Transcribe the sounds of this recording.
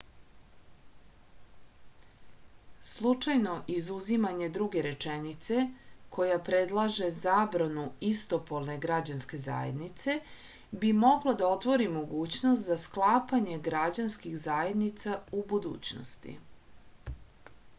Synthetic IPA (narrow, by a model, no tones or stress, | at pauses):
slˠut͡ʂajno̞ʔizuzimaɲe̞d̪ɾuɡe̞ɾe̞t͡ʂenit̪se̞kʰo̞japɾe̞d̪lˠaʒe̞zaːbɾanuist̪o̞polˠne̞ɡɾad͡ʑanske̞za̰ːjḛd̪nit̪se̞ | bimo̞ɡlad̪ao̞t̪ʋo̞ɾimo̞ɡuːt͡ɕno̞st̪zasklˠaːpaɲeɡɾad͡ʑanskixzaːje̞d̪nit̪saubud̪ṵːt͡ɕno̰st̪ḭ